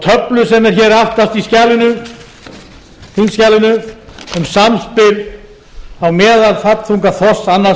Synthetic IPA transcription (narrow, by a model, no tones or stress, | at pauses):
t̪ʰœplʏsɛmɛɾ̥çɛɾ̥haft̪ast̪iscaːlɪnʏ | θinscaːlɪnʏʏmsamspɪl | awmɛːðalfat̪θuŋkaθɔsanːa